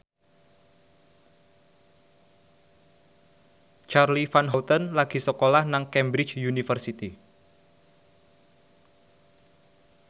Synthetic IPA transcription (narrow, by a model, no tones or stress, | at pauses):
t͡ʃarlifanɦɔwt̪ənlaɡ̥i̤səkolahnaŋkɛmbɾɪ̥t͡ʃjunifərsit̪i